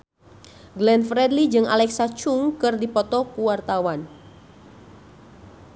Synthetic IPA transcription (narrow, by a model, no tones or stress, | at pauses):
ɡlɛnfɾɛdlid͡ʒɨŋa̰lɛksat͡ʃuŋkɨrdipɔt̪ɔkuwart̪awan